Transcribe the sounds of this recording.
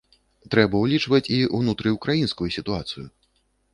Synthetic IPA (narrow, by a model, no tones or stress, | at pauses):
t̪ɾɛbɐwlʲit͡ʂvɐt͡sʲiwnut̪ɾɨjukɾajinskujusʲit̪uat̪sɨjṵ